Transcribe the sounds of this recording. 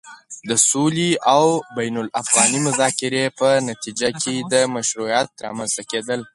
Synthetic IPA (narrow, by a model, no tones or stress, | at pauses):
d̪əsuliʔawbajnʊlafɣɑnimʊzɑkɪɾepənat̪id͡ʒakʰed̪əmaʃɾujɑt̪ɾɑ̰manzt̪aked̪əl